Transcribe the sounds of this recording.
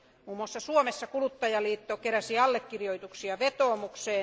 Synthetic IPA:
muːmŭɑsːɑsuomesːɑkulut̪ːɑjɑliːt̪ːokeræsiɑlːekːirjoit̪uksiɑʋet̪oːmukseː

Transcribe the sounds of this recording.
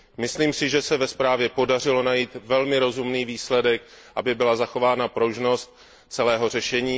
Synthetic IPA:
mɪsliːmsɪʒɛsɛvɛspɾaːvjɛpo̞dar̝ɪlo̞najiːt̪vɛlmɪɾo̞zumniːviːslɛdɛk̚ʔabɪbɪlazaxo̞vaːnapɾo̞ʒno̞st̪̚ | t͡sɛlɛːɦo̞r̝ɛʃɛɲiː

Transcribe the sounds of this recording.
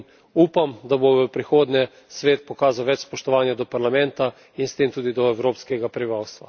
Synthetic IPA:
uːpamd̪aboʋəpɾixoːd̪nʲɛ | sʋeːt̪̚pɔkaːzawʋɛt͡ʃspɔʃt̪ɔʋaːnjad̪ɔpaɾlamɛ̃nt̪a | inst̪eːmt̪uːd̪id̪ɔɛwɾoːpskɛɡapɾɛbiʋaːwst̪ʋa̰

